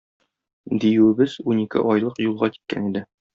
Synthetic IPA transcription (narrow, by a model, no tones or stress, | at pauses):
d̪ijɘwɘ̆bɘzunikɘ̰ʔɒjlˠɤqjulˠʁɑki̥t̪̚kæ̰nid̪ɘ